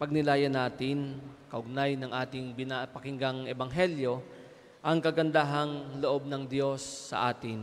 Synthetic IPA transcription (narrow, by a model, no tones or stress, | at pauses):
pɐɡ̚nɪlaːjɐnaːt̪ɪnkɐʔʊɡ̚najnɐŋʔaːt̪ɪŋbɪnapɐkɪŋɡaŋɛbɐŋɦɛljo̞ | ʔɐŋkɐɡɐnd̪aɦɐŋloʔo̞b̚nɐŋd̪jo̞sːɐ̰ʔaːt̪ɪn